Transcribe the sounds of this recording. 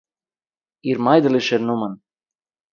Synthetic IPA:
iɾmɑjd̪ə̆liʃernumɤn

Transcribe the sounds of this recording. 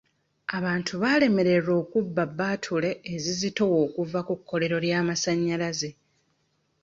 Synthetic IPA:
aβaːntʰuβaːle̞me̞ɾe̞ɾo̞ːkubːabːaːtʰule̞ːzizito̞wo̞ːkuvakukʰːo̞le̞ɾo̞ljaːmasaɲːalaze̞

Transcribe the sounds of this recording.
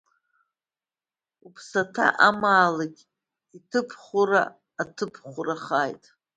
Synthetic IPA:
upʰsatʰa̰ʔamaːlakʲ | itʰɨpʰχʷʊɾa̰ː | tʰɨpʰχʷʊraχajtʼ

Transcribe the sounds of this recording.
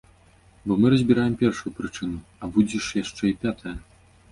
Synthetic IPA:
bɔmɨɾɐzʲbʲiɾajɛmpʲɛrʂujupɾɨt͡ʂɨnuɐbud͡zʲɛʂjaʂt͡ʂɛipʲat̪ʰɐjɐ

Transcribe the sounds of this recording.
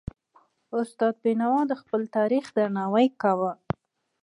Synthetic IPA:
ʊst̪ɑd̪̚binawɑd̪əxpəlt̪ɑɾixd̪aɾnɑwajkawə

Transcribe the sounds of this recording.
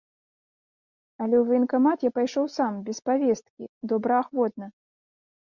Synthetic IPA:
ɐlʲɛwvinkamat̪japajʂɔwsambʲɛspavʲɛst̪̚kʲḭd̪ɔbɾɐaxvɔt̪̚nɐ

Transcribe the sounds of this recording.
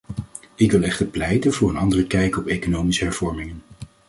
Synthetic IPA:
ɪkʋɪlˠɛχtəɹplɛjtənvʊːɹənɑndərəkɛjkəɔpejkonowmisəɦɛɹv̥ɔɹmɪŋən

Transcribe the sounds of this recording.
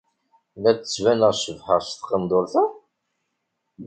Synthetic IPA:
lætːt͡sːvænəʁʃəvħəʁst̪qənd̪ˤoɾθæ

